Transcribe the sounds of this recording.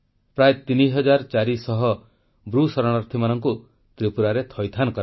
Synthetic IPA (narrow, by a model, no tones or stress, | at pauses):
pɾajet̪iniɦɔd͡ʒaɾt͡ʃaɾisɔɦɔ | bɾusɔɾɔɽ̃ɔɾt̪ʰimanɔŋku | t̪ɾipuɾaɾet̪ʰɔjt̪ʰanɔkɔɾ